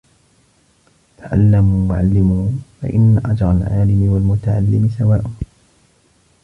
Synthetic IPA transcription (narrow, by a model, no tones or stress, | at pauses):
t̪ʰaʕa̰lːamuːwaʕalːɪmuːfa̰ʔɪnːaʔad͡ʒɾˤɑlʕaːlɪmɪwalmʊt̪aʕalːɪmɪsawaːʔʊn